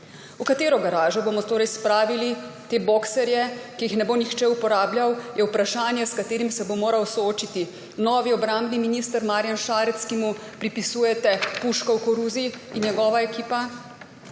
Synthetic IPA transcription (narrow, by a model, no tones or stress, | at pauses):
ukat̪eːɾɔɡɐɾaːʒɔboːmɔt̪oːɾɛjspɾaːʋilit̪eːboksɛɾjɛkijixnɛboːnixt͡ʃɛupɔɾaːbljawjʔɛupɾaʃaːnjɛskat̪eːɾimsɛbomoːɾawsɔoːt͡ʃit̪i | nɔːʋiɔbɾambniminiːst̪əɾmaːɾjanʃaːɾɛt̪skimu | pɾipisuːjɛt̪ɛpuʃkɔwkɔɾuziinjɛɡɔːʋaɛkiːpa